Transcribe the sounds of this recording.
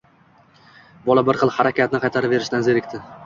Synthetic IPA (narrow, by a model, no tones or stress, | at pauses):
bɒlabɪɾχɨlˠhaɾakʲat̪̚nɪqʰɑjt̪ʰaɾɪpve̞ɾɪʃt̪anzeɾɪkʲt̪ʰɪ